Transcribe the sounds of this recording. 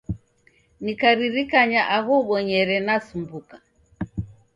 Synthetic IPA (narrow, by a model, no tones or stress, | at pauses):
nikaɾiɾikaɲaʔaɣɔɓɔɲɛɾɛnasumbuka